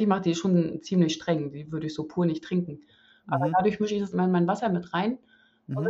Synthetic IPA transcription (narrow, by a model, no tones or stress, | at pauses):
ɪçmaχəd̥iːʃoːnt͡siːmlɪçʃtʁ̥ɛŋdiːvʏɐɾəɪçz̥oːpʰuːɐnɪçtʁ̥ɪŋkŋ̩ | ʔaːbɐdaːdʊɐçmʏʃəɪçd̥asɪmanmaɪnvasɐmɪtʁaɪn | ʊn